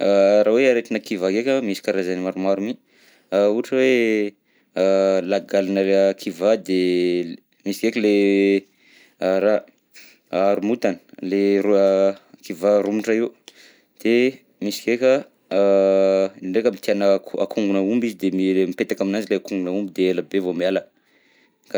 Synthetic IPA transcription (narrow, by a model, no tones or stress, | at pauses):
ɾaweaɾet̪inəkivakekʲəmisi̥kaɾazanimaɾumaɾumi | auʈ͡ʂəwe | laɡalanəekʰivad̪e | misi̥kekʲəle | aɾa | aɾumut̪anə̥le | kivaɾumuʈ͡ʂaiw | d̪̥e | misi̥kekʲə | iɳɖ͡ʐekʲəmit̪ianəkakʰuŋɡunəumbizid̪emimipet̪akaminand͡ʒileakuŋɡunaumbid̪eelabevomialə | ka